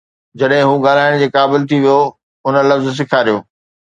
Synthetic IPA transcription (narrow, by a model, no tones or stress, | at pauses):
d͡ʑɐɗɦɪ̃ɦũɡaːl̤aːɪɽ̃d͡ʑeːkaːbɪlt̪ʰiʋijo | ʊnəlɐfzs̬ɪkʰaːɾijoː